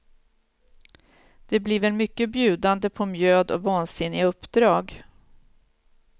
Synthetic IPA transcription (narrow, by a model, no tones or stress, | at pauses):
d̪̥ɛblɪɾvɛlmʏkːəbjʉ̟ːd̪and̪əpʰɔmjøːd̪ɔ̰vɑːnsɪnːɪaɵpːd̪ɾɑːɡ